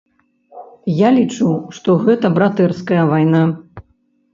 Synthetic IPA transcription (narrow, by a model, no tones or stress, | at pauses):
jalʲit͡ʂuʂt̪ɔɣɛt̪ɐbɾat̪ɛrskɐjɐvajna